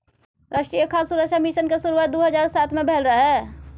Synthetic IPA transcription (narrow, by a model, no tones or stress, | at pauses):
ɾaʃʈɾijəkʰasuɾəkʃʰamiʃənkesuɾuʋaːt̪̚d̪oɦəd͡ʒaːɾsat̪ʰmebʱelɾəɦɛ